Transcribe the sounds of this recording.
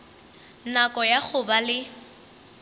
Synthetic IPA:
nakʼɔjak͡xʰʊbalɪ

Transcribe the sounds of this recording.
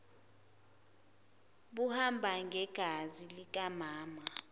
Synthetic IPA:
ɓuhambʱaŋɡʱɛɡ̥ʱazilik̬ʼamaːma

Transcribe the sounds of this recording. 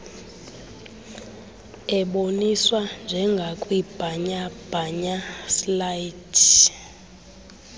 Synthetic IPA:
ɛɓoniswand͡ʒʱɛŋɡʱakʼwib̥ʱaɲab̥ʱaɲaslaidʰ

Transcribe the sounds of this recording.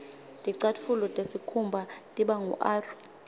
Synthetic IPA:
tʼiǀatfʰulɔtʼesikʰumbʱatʼiɓaŋṵʔaːru

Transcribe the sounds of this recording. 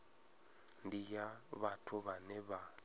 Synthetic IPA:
ndijaβatʰʊβanɛβa

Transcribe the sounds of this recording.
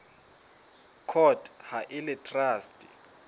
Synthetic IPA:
kʰɔtʼhaʔɪlɛtʰʼraːstʼi

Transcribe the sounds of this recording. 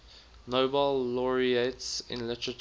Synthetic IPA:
noʊbəlːɔɹietsɪ̰̃nlɪtəɹət

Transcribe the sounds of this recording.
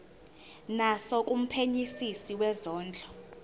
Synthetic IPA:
nasɔk̬ʼum̩pʰeɲisisiwɛzɔːnd͡ɮʱɔ

